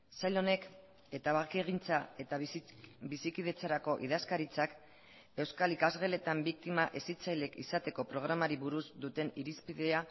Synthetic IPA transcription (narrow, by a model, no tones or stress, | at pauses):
sajlo̞ne̞k | e̞t̪aβakeɣ̞int͡sae̞t̪abisikiðe̞t͡saɾako̞ʔiðaskaɾit͡sak | e̞wskalikazɣe̞le̞t̪ambik̚t̪imaʔe̞sit͡sajle̞kisat̪e̞ko̞pɾo̞ɣ̞ɾamaɾiβuɾuzd̪ut̪e̞niɾispiðea